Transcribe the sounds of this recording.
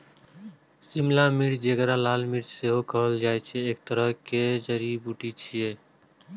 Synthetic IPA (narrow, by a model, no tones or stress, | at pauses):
simlamiɾd͡ʒekɾalaːlmiɾd͡ʒseɦokəɦəld͡ʒaɛt͡ʃʰɛːk̚t̪əɾəɦked͡ʒəɾibuʈit͡ʃʰije